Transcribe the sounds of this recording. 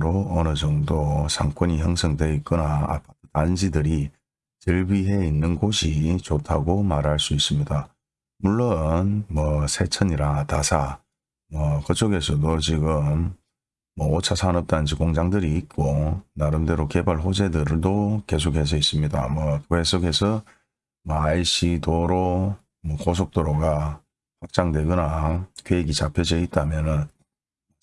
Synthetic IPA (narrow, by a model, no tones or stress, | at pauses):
ɾoʌnɯd͡ʑʌŋdosʰaŋkʰʌɲiɦjʌŋsʰʌŋdweik͈ɯnaa̰pʰḁtʰɯ̥tand͡ʑidɯɾi | t͡ɕɯɭbiɦe̞inːɯnɡoɕʰit͡ɕotʰaɡomaɾɦaɭs͈uis͈ɯmɲida | muɭːonmwʌsʰe̞t͡ɕʰʌɲiɾatasʰa | mwʌkɯt͡ɕʰoɡe̞sʰʌdot͡ɕiɡɯmː | ʌot͡ɕʰasʰanʌp̚t͈and͡ʑikoŋd͡ʑaŋdɯɾiːt̚k͈onaɾɯnde̞ɾoke̞baɭɸod͡ʑe̞dɯɾdoke̞s̬ʰokʰhe̞s̬ʰʌis͈ɯmɲida̰mwʌkesʰokhe̞sʰʌ | mʌaiɕ͈idoɾo | mʌkos̬ʰok̚t͈oɾoɡa | ɸak̚t͡ɕ͈aŋdwe̞ɡɯnakɥeeɡit͡ɕapʰjʌd͡ʑʌit̚t͈amjʌnɯn